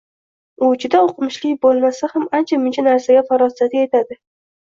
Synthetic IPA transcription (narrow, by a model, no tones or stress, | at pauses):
ʊt͡ʃʰɪd̪aoqʰɨmɪʃlɪkʲbolˠmasahamant͡ʃʰamʊnt͡ʃʰanaɾsaɡʲafaɾɒsat̪ɪet̪ʰad̪ɪ